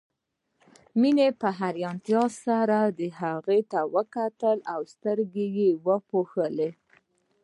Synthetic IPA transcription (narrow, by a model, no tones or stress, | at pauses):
minepəɦaɾjɑnt̪jɑsaɾad̪əɦaɣet̪awəkat̪əlawst̪əɾɡejewəpoxəle